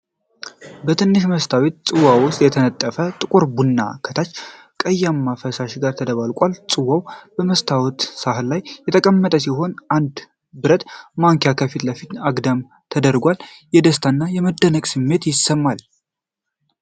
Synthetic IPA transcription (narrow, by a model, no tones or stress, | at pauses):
bət̪ʰɨnːɨʃ̬məst̪ʰawet̪̚sʼɨwawʊst̪ʼjɛt̪ʰənət̪ʼːəfət̪ʼɨkʼʊɾbunːa̰kʰət̪ʰat͡ʃː | kʼəjːamːafəsaʃɡaɾt̪ʰəd̪əβalkʼalsʼɨwawbəməst̪ʰawt̪sahlajːɛt̪ʰəkʼəmːət̪ʼəsiɦo̞nʔand̪ | bɨɾət̪maŋkʰjakʰəfit̪ləfit̪aɡd̪əm | t̪ʰəd̪əɾɡʷaljɛd̪əst̪ʰanːajɛməd̪ːənəkʼsɨmːe̞t̪jɪsːəmːal